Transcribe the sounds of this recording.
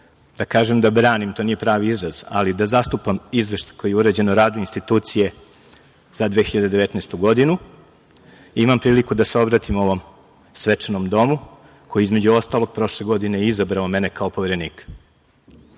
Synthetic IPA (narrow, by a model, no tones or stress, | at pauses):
d̪akaːʒemd̪abɾaːnimt̪o̞ːnije̞pɾaːʋiizɾaz̥a̰lid̪azast̪upamizʋeʃt̪ḁko̞jijeuɾed͡ʑe̞noɾaːd̪uinst̪it̪uːt̪sije̞ | z̥ad̪ʋeːxiʎad̪ed̪e̞ʋe̞t̪neːst̪uɡo̞d̪inu | imampɾiːlikud̪aseo̞bɾat̪imo̞ʋo̞m | sʋet͡ʂenomd̪o̞mu | ko̞jiizme̞d͡ʑuo̞st̪alˠo̞ɡ̚pɾo̞ʃle̞ɡo̞d̪inejizabɾaome̞ne̞kaopo̞ʋeɾe̞niːk